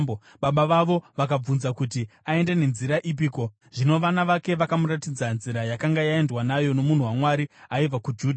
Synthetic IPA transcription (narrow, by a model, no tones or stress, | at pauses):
ɓaɓaʋaʋo̞ʋakab͡vunzakutiae̞ndene̞nziɾaʔip̬iːko̞ | ʐino̞ʋanaʋake̞ʋakamuɾatid͡zanziɾajakaŋɡajae̞ndwanajo̞no̞mun̤uwamwaɾiaib͡vakud͡ʒuːdʱ